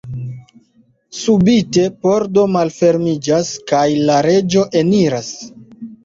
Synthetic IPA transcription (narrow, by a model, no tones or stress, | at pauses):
subite̞po̞ɾdo̞malfe̞ɾmid͡ʒaskajlaɾe̞d͡ʒo̞ʔe̞niɾas